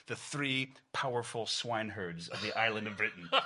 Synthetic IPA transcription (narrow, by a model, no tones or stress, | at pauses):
ðɨθɹipʰaʊə˞fl̩ˠswãɪ̃nɦɜ˞dzʌvðiʔaɪlˠə̃ndʌvbɹɪʔn̩